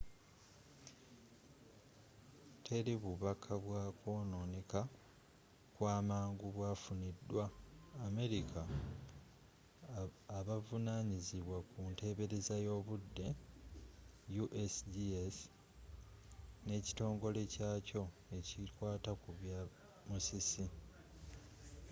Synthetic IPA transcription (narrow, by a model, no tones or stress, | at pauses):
tʰe̞ɾiβuβakʰaβwaːkʰo̞ːno̞ːneka | kwaːmaːŋɡuβwaːfunidːwaːme̞ɾikʰa | βavunaːɲiziβwakunte̞ːβe̞ɾe̞zajo̞ːβudːe̞ | juʔesdies | ne̞ːci̥to̞ːŋɡo̞le̞caːco̞ | e̞citwaːtakuβja | musisi